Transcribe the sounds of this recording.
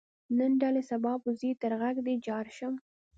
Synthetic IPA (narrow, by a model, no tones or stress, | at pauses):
nənɖalesabɑbuzit̪əɾɣaɡd̪ed͡ʒɑɾʃəm